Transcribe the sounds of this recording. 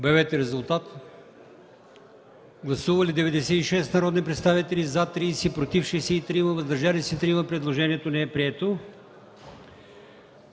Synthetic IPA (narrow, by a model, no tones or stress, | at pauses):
bɛvɛt̪ɛɾɛzʊlˠt̪at̪ | ɡlˠɐsuvəlid̪ɛvɛd̪ɛsɛiʃɛst̪nɐɾɔd̪nipɾɛt̪st̪avit̪ɛlizat̪ɾiːsɛpɾot̪ifʃɛsɛit̪ɾiməvɐzd̪ɐɾʒalisɛt̪ɾiməpɾɛd̪lˠoʒɛniɛt̪onɛɛpɾiɛt̪o